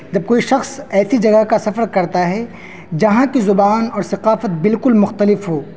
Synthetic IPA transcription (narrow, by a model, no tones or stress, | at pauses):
d͡ʒɐb̚koːiʃɐxsɛːsid͡ʒɐɡaɦkasɐfəɾkɐɾt̪aɦɛ | d͡ʒɐɦãkizʊbaːnɔːɾsɐqaːfət̪̚bɪlkʊlmʊxt̪əlɪfɦoː